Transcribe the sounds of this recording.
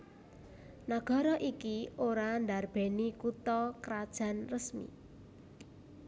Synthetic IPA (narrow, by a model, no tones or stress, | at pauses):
naɡ̥a̤ɾɔʔikioɾand̪arb̥e̤nikut̪ɔkɾad̥ʒ̥a̤nrəsmḭ